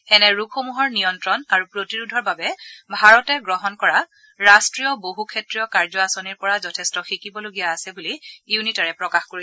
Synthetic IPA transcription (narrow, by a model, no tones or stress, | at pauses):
ɛnɛɹukxomuɦɔɹnijɔntɹɔnaɹupɹotiɹudʱɔɹbabɛbʱaɹɔtɛɡɹɔɦɔnkɔɹa | ɹastɹijɔboɦukʰetɹijɔkaɹzɔasoniɹpɔɹazɔtʰɛstɔxikibɔloɡijaːsɛbulijunitaɹɛpɹɔkaxkoɹi